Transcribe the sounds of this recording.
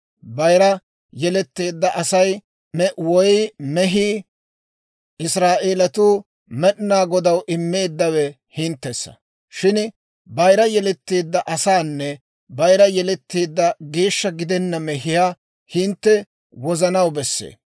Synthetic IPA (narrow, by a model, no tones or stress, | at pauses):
bɐjɾɐ | jɛlɛt̪ːeːd̪ːɐʔɐsɐj | wɔjmɛɦi | ʔɪsɾaːʔeːlɐt̪uː | mɛɗnaːɡɔd̪ɐwʔɪmːe̞ːd̪ːɐwɛ | hɪnt̪ːɛsːɐ̥̰ | ʃɪn | bɐjɾɐjɛlɛt̪ːeːd̪ːɐʔɐsaːnːɛ | bɐjɾɐjɛlɛt̪ːeːd̪ːɐɡe̞ːʃːɐɡɪd̪ɛnːɐmɛɦɪjaː | hɪnt̪ːɛ | wɔzɐnɐwbɛsːḛː